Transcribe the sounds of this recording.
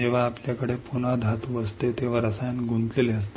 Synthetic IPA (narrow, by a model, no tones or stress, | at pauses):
eʋ̤aːpljakəɽepunad̪ʱat̪uəst̪et̪eʋ̤aɾəsajanɡʱunt̪leleəst̪